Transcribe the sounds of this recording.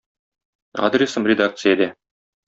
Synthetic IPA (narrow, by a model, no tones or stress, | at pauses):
a̰d̪rʲɪsəmrʲɪd̪ak̚t̪sɨjəd̪ɛ